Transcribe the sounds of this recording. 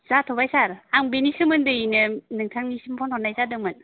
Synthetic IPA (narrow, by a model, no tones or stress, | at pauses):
z̥atʰɔbajsaɾaŋbenisɯmɯndɯinɯnɯŋtʰaŋnisimpʰɔntʰɔnajzadɯŋmɯn